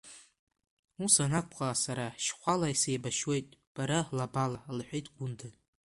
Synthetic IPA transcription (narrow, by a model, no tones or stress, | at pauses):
usanakʷʼqʼasaɾaʃχʷalaisejbaʃwe̞jtʼb̥aɾalabalalħʷᶣejtʼɡʷʊndʰa